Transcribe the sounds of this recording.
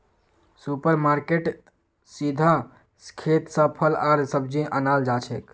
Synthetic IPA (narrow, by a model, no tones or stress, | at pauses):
supəɾmaɾkeʈ | sid̪ʱa | skʰet̪səpʰəlaɾsəbd͡ʒiʔənald͡ʒat͡ʃʰek